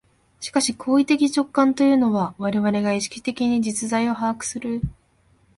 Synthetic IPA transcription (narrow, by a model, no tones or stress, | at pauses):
ɕi̥kaɕikʰo̞ːit̪e̞kʲit͡ɕo̞kːãnt̪o̞jɯ̟ːno̞βaβaɾe̞βaɾe̞ɡaiɕi̥kʲi̥t̪e̞kʲiɲ̟id͡ʑit͡sɨzaio̞ɦakɯ̟̥sɨɾɯ